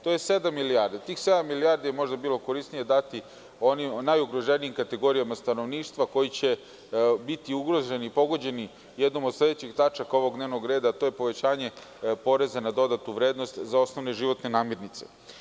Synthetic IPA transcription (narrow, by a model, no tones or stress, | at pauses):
t̪o̞jese̞d̪amːiliaɾd̪et̪iːxse̞d̪amːiliaɾd̪ijemo̞ʒd̪abiːlˠo̞ko̞ɾist̪nije̞d̪at̪i | o̞nimnajuɡɾo̞ʒeniimkat̪e̞ɡo̞ɾijamast̪ano̞ʋniːʃt̪ʋako̞jit͡ɕe̞ | bit̪iuɡɾo̞ʒenipo̞ɡo̞d͡ʑe̞ni | jed̪nomod̪sle̞d̪et͡ɕeɡt̪at͡ʃako̞ʋo̞ɡd̪ne̞ʋno̞ɡɾe̞ːd̪aːt̪o̞je̞po̞ʋe̞t͡ɕaːɲe̞ | po̞ɾe̞zanad̪o̞d̪at̪uʋɾe̞ːd̪nost̪zao̞sno̞ʋne̞ʒiʋo̞t̪ne̞naːmje̞ɾnit̪se̞̥̰